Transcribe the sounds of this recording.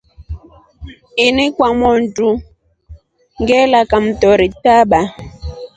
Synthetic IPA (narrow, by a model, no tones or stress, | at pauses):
inikwamɔntu | ŋɡɛlakam̩tɔɾitaɓa